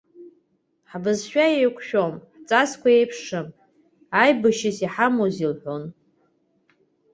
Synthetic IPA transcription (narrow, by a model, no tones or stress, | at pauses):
ħbɨzʃᶣajejkʷʰʃᶣomħt͡sʼaskʷaejpʰʂɨm | ajbɨʃɪsiħamozilħʷon